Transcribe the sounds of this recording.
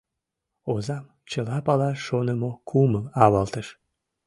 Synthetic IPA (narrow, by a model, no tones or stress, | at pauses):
ozɑm | t͡ɕəlɑpɑlɑʃonəmokʰuməlɑβɑlˠt̪əʃ